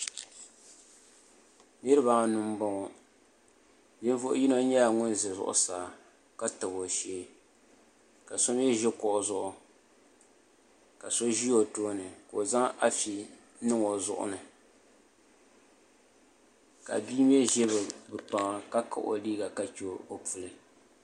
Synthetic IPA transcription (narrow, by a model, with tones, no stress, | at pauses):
nɨ˦ɾɨ˦ba˨ŋa˨nʊ˦m˦bɔ˦ŋɔ˨ | dɨ˦n˦vʊ˦ʔʊ̰˦ji˦no˦ɲɛ˦la˨ŋʊ˦nzɨ˨zʊ̰˦˨ʔʊ̰˦saː˨ | ka˦tɨ˨bo˨ʃɛː˦ | ka˨so˦m˦jɛ˦ʒɛ˦kɔ˨ʔʊ˨zʊ˦ʔʊ˨ | ka˨so˦ʒi˦o˨toː˦nɨ˨ko˨za˦ŋa˦fi˨ | nɨ˦ŋo˨zʊ̰˦ʔʊ̰˦˨nɨ˨ | ka̰˨biː˦m˦ɛ˦ʒɛ˦βɨ˨bɨ˨k͡pa˨ŋa˦ka˦ka̰˦ʔo̰˨liː˦ɡa˨ka˦t͡ʃi˨˦o˨pu˨lɨ˨